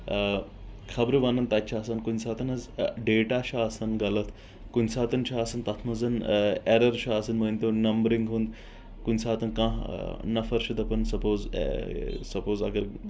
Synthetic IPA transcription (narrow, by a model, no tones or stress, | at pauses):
xʰɐbɾɨʋɐnɐnt̪ɐt͡ʃʰaːsɐnkunʲsaːt̪ɐnɐzɖeːʈaːʃʰaːɐsɐnɡɐlɐt̪ʰ | kunʲsaːt̪ɐnt͡ʃʰaːɐsɐnt̪ɐt̪ʰmɐzɐneɾɐɾʃʰaːsɐnmɐinʲt̪onɐmbəɾĩŋɡɦũːnd̪ | kunʲsaːt̪ɐnkãːnɐfɐɾt͡ʃʰud̪ɐpɐnsɐpoːz̰ | sɐpoːzɐ̰ɡɐɾ